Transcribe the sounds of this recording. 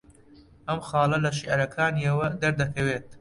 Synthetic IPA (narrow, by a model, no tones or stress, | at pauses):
ʔɐmxɑːlɐlɐʃ̬iʔɐɾɐkʰaːniɐwɐd̪ɐɾd̪ɐkʰɐweːt̪̚